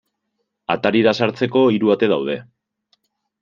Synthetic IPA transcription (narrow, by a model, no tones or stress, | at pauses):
a̰t̪aɾiðasaɾt͡se̞ko̞iɾuat̪e̞ðawðe̞